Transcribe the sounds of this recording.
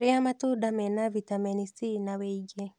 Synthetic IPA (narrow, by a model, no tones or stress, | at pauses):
ɾeamatudamɛnavitaminisinaweiɡe